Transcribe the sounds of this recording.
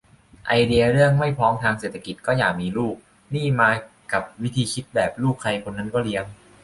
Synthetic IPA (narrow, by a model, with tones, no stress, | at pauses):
ʔa˧jdi˧ɐɾɯ˥˩əŋma˥˩jpʰɔː˦˥ŋt̪ʰaː˧ŋseː˨˩t̪ʰːa˧ki˨˩kɔː˥˩jaː˨˩k̚miː˧luː˥˩k̚ | niː˥˩maː˧ | ka˨˩p̚wi˦˥t̪ʰiː˧kʰi˦˥t̪̚bɛː˨˩p̚luː˥˩kʰːa˧jkʰo˧nːa˦˥nkɔː˥˩li˦˥əŋ